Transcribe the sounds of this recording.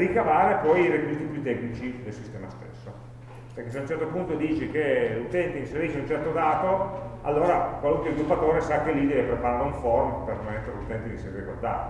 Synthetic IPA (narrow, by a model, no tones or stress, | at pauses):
rikavaːɾepɔjiɾekizit̪ipjut̪ːɛknit͡ʃid̪elsist̪ɛːmast̪ḛsːo | peɾrkes̬eaunt͡ʃɛrt̪opunt̪od̪iːt͡ʃek̟elut̪ɛnt̪einseɾiːʃeunt͡ʃɛrt̪od̪aːt̪oa̰lːoːɾakwaluŋkwezɡilupːat̪oːɾesakːelːid̪ɛvepɾepaɾaːɾeuɱformpermmɛt̪ːeɾelut̪ɛnt̪ed̪iseɾɾikord̪a̰ːɾe